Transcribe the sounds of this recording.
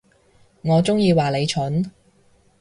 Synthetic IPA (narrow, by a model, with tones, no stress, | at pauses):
ŋɔː˨˧t͡sʊ˥ŋjiː˧waː˨le˨˧jt͡ʃʰʊ˨˥n